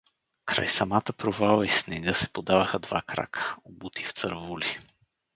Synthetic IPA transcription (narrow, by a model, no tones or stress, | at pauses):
kɾa̰jsɐmat̪əpɾovalˠəisnɛɡəsɛ̥pod̪avəxəd̪va̰kɾa̰kʰə̥obut̪i̥ft̪sə̰ɾvuli